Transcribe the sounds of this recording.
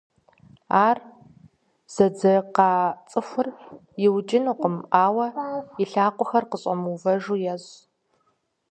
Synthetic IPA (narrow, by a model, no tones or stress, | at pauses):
aːr | z̥ɐd͡zɐqɑːt͡sʼɨfʷʊr | jɪwt͡ʃʼɪnuqəmaːwɐɪɬaːqʷʼʊxɐrqəɕʼɐmuvɐʒuːjɛz